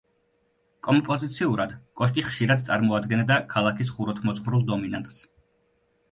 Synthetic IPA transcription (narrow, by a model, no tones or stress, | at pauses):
kʼɔmpʼɔzit̪sʰiuɾad̪kʼɔʃt̪ʼiχʃiɾad̪̚t̪sʼaɾmɔad̪ɡɛnd̪akʰalˠakʰis̬χuɾɔt̪ʰmɔt̪sʰχɾulˠd̪ɔminant̪ʼs